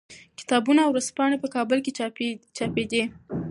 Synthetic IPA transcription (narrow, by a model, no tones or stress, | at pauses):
kɪ̥t̪ɑbunaːwɾaspɑɽepəkɑbəlket͡ʃɑped̪e